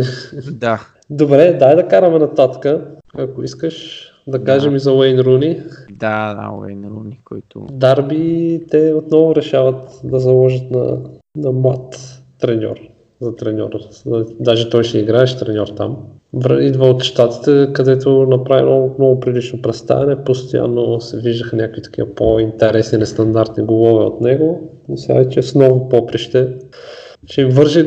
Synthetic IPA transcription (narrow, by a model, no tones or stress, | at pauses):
d̪a | d̪obɾɛd̪aɛd̪ɐkaɾɐmɛnɐt̪at̪kə | ɐkoiskəʃ | d̪ɐkaʒɛmizɐwɛjnɾunid̪ad̪a̰wɛ̰jnɾṵnikojt̪ʊ̰d̪aɾbit̪ɛot̪nɔvʊɾɛʃavət̪d̪ɐzɐlˠɔʒət̪nɐ̰nɐmat̪ː | ɾɛnʲɔ̰ɾ | zɐt̪ɾɛnʲɔ̰ɾd̪aʒɛt̪ɔjʃɛiɡɾaɛʃt̪ɾɛnʲɔɾt̪a̰m | vɾid̪vaot̪ʃt̪at̪i̥t̪ɛkɐd̪ɛt̪onɐpɾavḭnomnɔɡʊpɾilit͡ʃnopɾɛt̪st̪a̰vɛnɛpost̪oja̰nːosɛviʒd̪əxənʲjakvit̪ɐ̥kʲḭəpoint̪ɛɾɛsninɛst̪ɐnd̪aɾt̪niɡolˠɔvɛo̰t̪nɛɡo | misa̰t͡ʃɛsnɔvʊpɔpɾiʃt̪ɛ | t͡ʃɛimvɤɾʒi